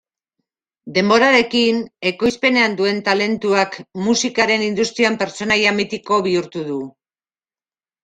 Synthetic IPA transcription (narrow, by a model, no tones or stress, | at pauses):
d̪e̞mbo̞ɾaɾe̞kine̞ko̞jspe̞ne̞and̪ue̞nt̪ale̞nt̪uakmusikaɾe̞nind̪ust̪ɾiampe̞ɾt͡so̞najamit̪iko̞βiuɾt̪uðu